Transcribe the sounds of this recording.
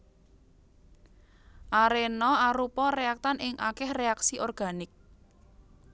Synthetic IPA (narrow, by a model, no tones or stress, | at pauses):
ʔaɾenɔaɾupɔreak̚t̪anɪŋʔa̰kɛhreaksiʔɔrɡ̥a̤nɪk̚